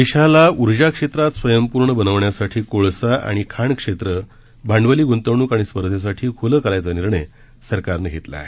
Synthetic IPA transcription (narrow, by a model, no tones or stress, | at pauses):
ʋiɕalauɾd͡ʑakʂet̪ɾat̪sʋəjəmpuɾɳəbənəʋɳjasaʈʰiːkoɭsaʔa̰ɽ̃ikʰaɳkʂet̪ɾə | bʱaɳɖʋəliːɡont̪əʋɳuːkaɽ̃ispəɾd̪ʱjes̬aʈʰiːkʰoləkəlajt͡saniɾɳə | səɾkaɾnəɡʱet̪la̰e